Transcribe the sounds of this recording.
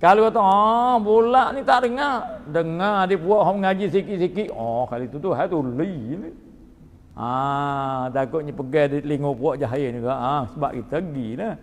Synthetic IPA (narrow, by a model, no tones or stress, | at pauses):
kaluat̪aɔbolaʔnit̪aʔdəŋardəŋadipuaʔɦɔməŋad͡ʒisikiʔsikiʔɔkalit̪ut̪uɦat̪ulini | a | t̪aɡoɲəpəɡadiliŋupuaʔd͡ʒaɦjeniɡaʔasəba̰ʔ̚kit̪aɡinə